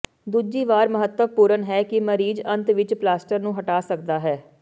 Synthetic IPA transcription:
d̪uːd͡ʒiːʋaːɾməɦət̪əpuːɾənɦɛːkɪməɾiːd͡ʒə̃nt̪ʋɪt͡ʃplaːsʈəɾnũːɦəʈaːsək̚d̪aːɦɛː

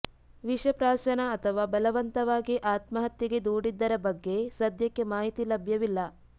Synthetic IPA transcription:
ʋiʂɐpɾaːsɐnɐɐt̪ʰɐʋaːbɐlɐʋɐnt̪ɐʋaːɡiʔaːt̪mɐɦɐt̪jiɡe̞d̪uːɽid̪ːɐɾɐbɐɡːe̞sɐd̪ʱjɐkːe̞maːɦit̪ilɐbʱjɐʋilːɐ

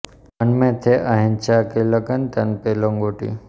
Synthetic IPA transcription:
ənmẽt̪ʰeʔaɦint͡ʃʰakeləkənt̪ɐnpeloŋɡoʈḭ

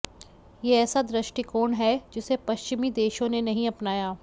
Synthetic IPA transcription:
jeɛːsad̪ɾɪʃʈikoːɳɦɛd͡ʒɪsepɐʃt͡ʃɪmid̪eːʃõnenɐɦĩɐpnaːjaː

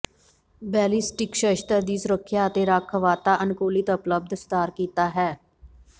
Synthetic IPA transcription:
bɛːlisʈɪkʃəʃt̪əɾd̪iːsʊɾəkʰːjaːət̪eːɾaːkʰːəʋaːt̪aːʔənkoːlɪt̪əpləb̚d̪st̪aːɾkiːt̪aːɦɛː

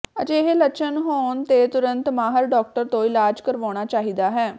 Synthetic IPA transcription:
əd͡ʒeɦelət͡ʃʰənɦoːnt̪et̪ʊɾə̃nt̪maːɦəɾɖɔːk̚ʈəɾt̪oɪlaːd͡ʒkəɾʋoːɽ̃at͡ʃaːɦid̪aɦɛː

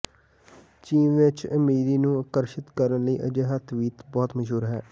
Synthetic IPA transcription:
t͡ʃiːnʋɪt͡ʃəmiːɾiːnũːəkəɾʃɪt̪kəɾənləiːʔəd͡ʒeːɦət̪ʰʋiːt̪bɔːt̪məd͡ʒɦuːɾɦɛː

